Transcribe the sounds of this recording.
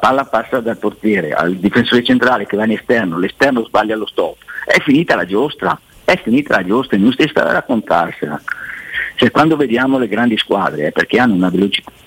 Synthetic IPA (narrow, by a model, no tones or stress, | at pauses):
palːapasːad̪alport̪jɛːɾḛa̰ld̪ifensoːɾet͡ʃent̪ɾaːlekevanest̪ɛrnolest̪ɛrnozbaʎːjalost̪ɔpːɛ̰fːiniːt̪alad͡ʒost̪ɾa̰ | ɛfːiniːt̪ʰalad͡ʒost̪ɾaenũst̪est̪a̰da̰ɾakːont̪ʰa̰rsḛla̰ | sekːwand̪oved̪jaːmoleɡɾand̪iskwa̰ːd̪ɾḛɛperk̟eanːounavelot͡ʃi̥t̪ḁ